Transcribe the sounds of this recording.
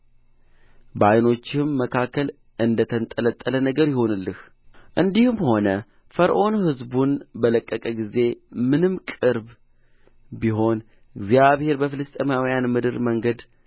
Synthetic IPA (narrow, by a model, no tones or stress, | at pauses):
bajno̞t͡ʃːɪmːəkʰakːəl | ɨnd̪ət̪ʰənt̪ʼːələt̪ʼːələnəɡəɾjɪho̞nɨlːɨh | ʔɨnd̪ihɨmho̞nə | fəɾʔo̞nhɨzbunbələkʼːəkʼəɡize̞mɨnɨmkʼɨɾb | biɦo̞n | ʔɨɡzjaβhe̞ɾbəfɨlɨst̪ʼemjawijanmɨd̪ɨɾməŋɡəd̪